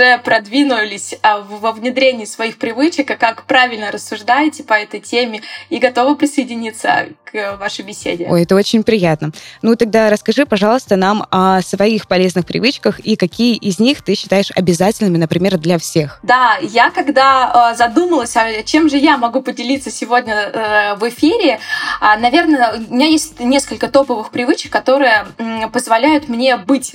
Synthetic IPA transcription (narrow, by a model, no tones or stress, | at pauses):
ʐɛpɾɐd̪vʲinʊlʲɪsʲəvəvnʲɪd̪ɾʲenʲɪːsvɐixpɾʲɪvɨt͡ɕɪkɐkːakpɾavʲɪlʲnəɾəsːʊʐd̪ajɪtʲɪpɐɛt̪əjtʲemʲɪiɡɐt̪o̞vɨpɾʲɪsəjɪdʲɪnʲit̪sə̰kvaʂəjbʲɪsʲḛdʲɪojɛt̪əo̞t͡ɕɪnʲpɾʲɪjat̪nənut̪ɐɡ̚d̪aɾəskɐʐɨpɐʐɑlˠəst̪ənamɐsvɐixpɐlʲe̞znɨxpɾʲɪ̰vɨt͡ɕkəxikɐkʲijəʔɪzʲnʲixt̪ɨɕːɪ̥t̪ajɪʂɐ̰bʲɪzatʲɪlʲnɨmʲɪnəpɾʲɪmʲerd̪lʲɐfsʲe̞xd̪ajakɐɡd̪aəzɐd̪uməlˠəsʲɐt͡ɕe̞mʐɨjamɐɡupədʲɪlʲit̪sːəsʲɪvo̞dʲnʲəvɪfʲiɾʲɪanɐvʲe̞rnəʊmʲɪnʲajesʲtʲnʲe̞skəlʲkət̪o̞pəvɨxpɾʲɪvɨt͡ɕɪkːɐt̪o̞ɾɨjəpəzvɐlʲæjʊt̪mnʲe̞bɨtʲ